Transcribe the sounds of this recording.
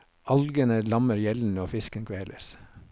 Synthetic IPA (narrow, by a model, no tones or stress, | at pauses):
ʔɑlɡənəlɑməɾjɛln̩əoːfɪskənkʰʋeːləs